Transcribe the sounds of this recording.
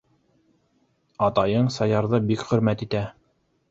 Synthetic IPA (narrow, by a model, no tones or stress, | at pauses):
ɑt̪ɑjɤɴsɑjɑɾðɤbikχɵ̆ɾmæt̪it̪æ